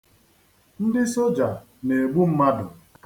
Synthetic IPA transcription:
n̩˦dɪ˦so˦d͡ʒa˨ | ne˨e˨ɡ͡bu˦m̩˦ma˦dʊ̰˨

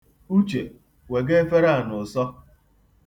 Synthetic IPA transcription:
u˦t͡ʃe˨ | we˨ɡe˦e˦fe˦ɾa˦a˨nʊ˨sɔ˦

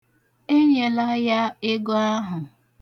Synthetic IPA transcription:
e˦ɲe˨la˦ja˦ɪ˦ɡo˦a˦ɦʊ˨

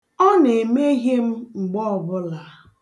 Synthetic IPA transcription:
ɔ˦ne˨me˦ɦje˦m̩˦ŋ͡m̩˨ɡ͡bɔ˦˨bʊ˦la˨

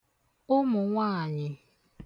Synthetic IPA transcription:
ʊ˦mʊ˨ŋʷaː˦˨ɲɪ˨

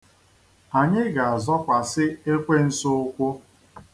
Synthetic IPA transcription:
a˨ɲɪ˦ɡa˨a˨zɔ˦kʷa˨sɪ˦e˦kʷe˦n̩˦sʊ˦ʊ˦kʷʊ˦

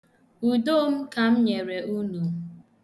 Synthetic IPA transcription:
u˨do˦m̩˦ka˨m̩˦ɲe˨ɾe˨ʔu˦nu˨

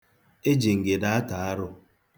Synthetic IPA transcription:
e˦d͡ʒi˨ŋ̩˨ɡe˨da˦a˦ta˨a˦ɾʊ˦

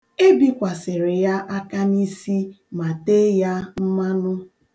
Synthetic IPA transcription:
e˦bi˦kʷa˨sɪ˨ɾɪ˨ja˦ʔa˦ka˦ni˦si˦ | ma˨te˦ja˦m̩˦ma˦nʊ˦

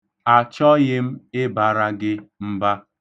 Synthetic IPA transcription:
a˨t͡ʃɔ˦ɣɪ˦m̩˦ɪ˦ba˨ɾa˦ɡɪ˦m̩˦ba˦

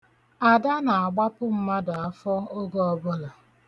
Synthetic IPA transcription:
a˨da˦na˨a˨ɡ͡ba˦pʊ˦m̩˦ma˦dʊ˨a˦fɔ˦o˦ɡo˦ɔ˦bʊ˦la˨

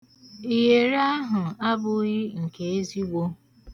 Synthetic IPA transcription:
i˨ɦe˨ɾa˦ɦʊ˨a˦bʊ˦ɣɪ˦ŋ̩˨ke˨e˦zi˦ɡʷo˦

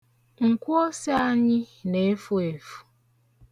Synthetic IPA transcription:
ŋ̩˨kʷo˦si˦a˦ɲɪ˦ne˨˦fu˦e˨fu̥˨

